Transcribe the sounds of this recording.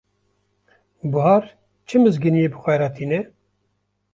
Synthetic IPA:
buɦɑːɾ | t͡ʃʰɨmɨzɡɨnijeːbɨxʷɛɾɑːt̪ʰiːnɛ

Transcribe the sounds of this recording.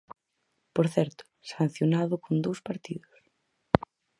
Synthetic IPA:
poɾθɛɾt̪ʊ̥ | sãn̟θjonaðʊkʰond̪owspaɾt̪iðʊs

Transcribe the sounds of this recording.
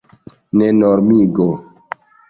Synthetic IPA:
nenoɾmiɡo

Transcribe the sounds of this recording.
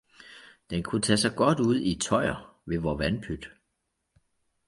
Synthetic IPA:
d̥enkʰut͡sʰɛsɑ̈ɪɡ̥ɒ̽d̥uð̞̰ˠit͡sʰɒ̽ɪɐ | ʋe̝ʋɒːʋænpʰyd̥

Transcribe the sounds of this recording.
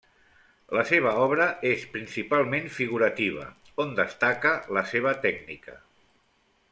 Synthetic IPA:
ləseβ̞əɔβɾəespɾinsipalˠmenfiɣuɾət̪iβ̞ə̰ | ond̪əst̪akələseβ̞ət̪ɛɡnikə̰

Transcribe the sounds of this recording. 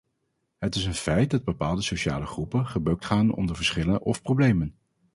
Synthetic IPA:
ɦətɪsənfɛjt̚dɑd̚bəpaːlˠdəsoʃa̰ːləχrupənχəbøk̚tχaːnɔ̰ndəɹvəɹsχɪlənʔɔfprowblejmən

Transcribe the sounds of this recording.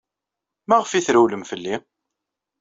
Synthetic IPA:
mæʁəfiθɾæwləmfəlːi

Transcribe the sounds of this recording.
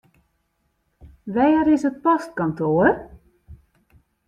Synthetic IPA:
ʋɛjəɾɪsət̚pɔst̚kɔntoːər

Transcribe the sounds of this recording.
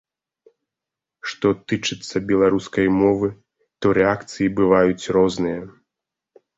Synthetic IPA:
ʂt̪ɔt̪ɨt͡ʂɨt̪sːɐbʲɛlˠaɾuskɐjmɔvɨ | t̪ɔɾɛakt̪sɨjibɨvajut͡sʲrɔznɨjɐ

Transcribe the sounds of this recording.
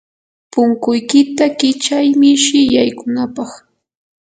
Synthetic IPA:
pʊŋkʊjkɪt̪akɪt͡ʃajmɪʃɪjajkʊnapɑχ

